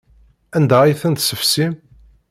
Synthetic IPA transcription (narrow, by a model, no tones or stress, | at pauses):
ænd̪æijθænt̪səfsim